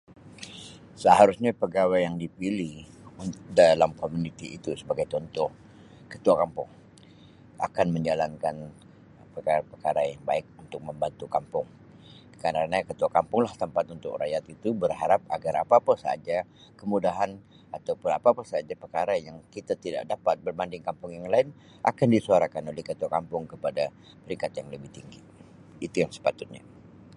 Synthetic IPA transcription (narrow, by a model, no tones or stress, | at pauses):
səɦaɾusɲapəɡawajjaŋdipilihunt̪ʊk̚dalamkomunit̪iːt̪usəbaɡajt̪ɔnt̪ɔh | kə̥t̪uakampʊŋ | a̰kanməɲd͡ʒalankan | pəkapərkaɾajaŋbaɪk̚unt̪ʊk̚məmbant̪ukampʊŋ | kəɾanakət̪uakampʊŋlaht̪əmpat̪unt̪ʊ̰kra̰jat̪it̪ubərɦaɾap̚a̰ɡaɾapapəsaa̰d͡ʒa | kəmudaɦan | at̪awpʊnapapasaad͡ʒapərkaɾajaŋkit̪at̪ida̰ʔ̚dapat̪̚bərbandɪŋkampʊŋjaŋlaɪn | ʔa̰kandisuaɾakanolɛhkət̪uakampʊŋkəpada | pəɾiŋkat̪jaŋləbɪht̪iŋɡi | it̪ujaŋsə̥pat̪ʊt̪̚ɲa̰